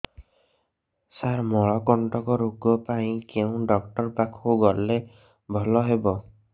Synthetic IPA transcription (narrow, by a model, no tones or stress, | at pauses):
saɾmɔɭɔkɔɳʈɔkɔɾuɡɔpaĩkeʊ̃ɖɔk̚ʈɔɾpakʰoɡɔɾle | bʱɔlɔɦebɔ